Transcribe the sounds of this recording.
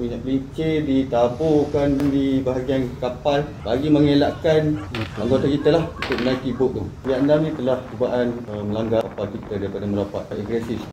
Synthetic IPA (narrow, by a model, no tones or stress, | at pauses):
miɲaʔpəliɲt͡ʃedit̪abokandibaɦaɡiankapalbaɡiməŋelaʔkanaŋɡot̪akit̪alahunt̪ʊk̚mənaikibʊʔ̚dʊŋijaʔndamnĩt̪əlahd͡ʒubaʔanəməlaŋɡaapalkit̪adaɾipadaməɾapat̪iɡɾesɪs